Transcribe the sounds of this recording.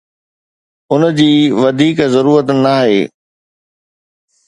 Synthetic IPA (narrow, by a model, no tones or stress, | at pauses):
ʊnəd͡ʑiːʋɐd̪ʱiːkzɐɾuːɾət̪naːɦḛː